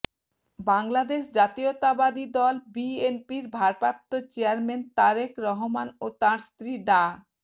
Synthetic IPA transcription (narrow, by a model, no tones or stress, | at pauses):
baŋlad̪eʃd͡ʑat̪iot̪abad̪id̪ɔlbienpiɾbʱaɾpap̚t̪ot͡ɕeaɾment̪aɾekɾɔɦomanot̪aɾst̪ɾiɖa